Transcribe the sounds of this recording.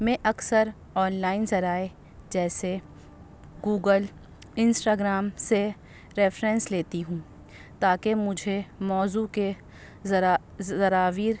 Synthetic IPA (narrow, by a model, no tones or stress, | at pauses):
mɛ̃ːʔɐksəɾ | ɔːnlaːɪnzɐɾaːe | d͡ʒɛːse | ɡuːɡəl | ɪ̃nsʈaːɡɾaːmse | ɾɛːfɾɛ̃nsleːt̪iɦũː | t̪aːkemʊd͡ʒʱemɔːzuke | ɐɾaːʋiːɾ